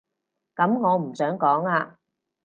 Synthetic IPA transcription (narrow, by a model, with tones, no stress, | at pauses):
kɐ˨˥mŋɔː˨˧m̩˨˩sœː˨˥ŋkɔː˨˥ŋaː˧